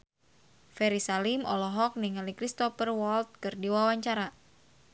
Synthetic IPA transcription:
fɛɾisalimɔlɔɦɔk̚niŋalikɾist̪ɔfərwɔlt̪̚kɨrdiwawaɲt͡ʃaɾa

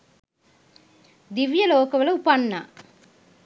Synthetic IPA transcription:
d̪iʋjɐlɔːkɐʋɐlɐupɐɳːɐ

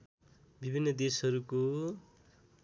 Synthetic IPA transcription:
bibʱinːʌd̪esɦʌɾuko

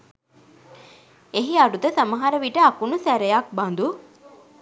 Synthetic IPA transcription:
eɦiaɖut̪əsaməɦaɾəʋiʈəakunusæɾejak̚band̪u

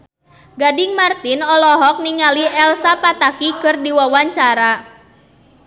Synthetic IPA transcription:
ɡadɪŋmart̪inɔlɔɦɔk̚niŋaliʔɛlsapat̪akikɨrdiwawaɲt͡ʃaɾa

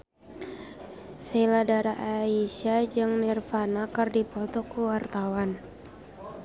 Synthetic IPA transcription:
sɛiladaɾaʔaisad͡ʒɨŋnirfanakərdipɔt̪ɔkuwart̪awan

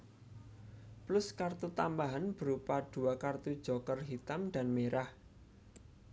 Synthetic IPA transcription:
plʊskart̪ut̪ambaɦanb̥ə̤ɾupad̪̥ṳakart̪ud̥ʒ̥ɔ̤kərɦit̪amɖ̪̥a̤nmeɾah

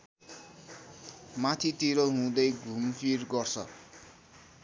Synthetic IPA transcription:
mat̪ʰit̪iɾoɦũd̪ʌjɡʱumpʰirɡʌrt͡sʰʌ̰

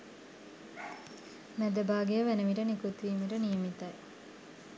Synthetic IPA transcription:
mæd̪əbaːɡejəʋænəʋiʈənikut̪ʋiːməʈənijəmit̪aj

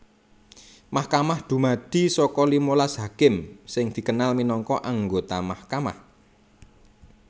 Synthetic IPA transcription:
mahkamahd̪̥ṳmad̪̥i̤sɔkɔlimolasɦakɪmsɪŋd̪̥i̤kənalminɔŋkɔʔaŋɡot̪amahkama̰h

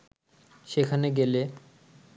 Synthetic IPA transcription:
ʃekʰaneɡele

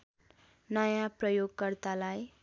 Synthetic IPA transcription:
nʌjaprʌjoɡkʌrt̪alaj

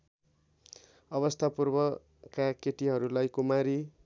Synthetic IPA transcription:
ʌβʌst̪ʰapurbʌ | kakeʈiɦʌɾulajkomaɾi

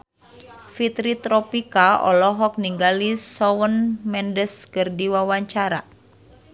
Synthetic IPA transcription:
fit̪ɾit̪ɾɔpikaɔ̰lɔɦɔk̚niŋɡalisɔwənmɛndəskɨrdiwawaɲt͡ʃaɾa̰

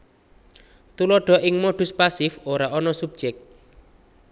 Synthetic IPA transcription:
t̪ulɔɖ̥ɔ̤ʔɪŋmoɖ̥ṳspasɪfoɾaʔɔnɔsub̥̚d͡ʒɛk̚t̪̚

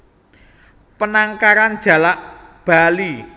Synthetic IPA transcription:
pənaŋkaɾand̥ʒ̥a̤laʔb̥a̤li

